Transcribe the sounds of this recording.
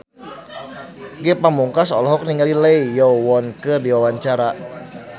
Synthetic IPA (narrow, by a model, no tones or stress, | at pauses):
ɡɛpamuŋkasɔ̰lɔɦɔk̚niŋaliləijɔwɔnkərdiwawaɲt͡ʃaɾa